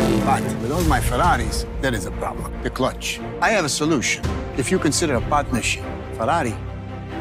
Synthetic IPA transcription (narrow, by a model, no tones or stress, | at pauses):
batwɨðolˠmaɪfəɾaɾizðɨɾɨzəpʰɹ̥ɑ̰blə̃mtɨkʰl̥ʌt͡ʃ | aɪɨvəsəluʃɨ̃n | ɨfjɨkɨ̃nsɪɾə˞əpʰɑt̚mɨʃĩn | fəɾaɾi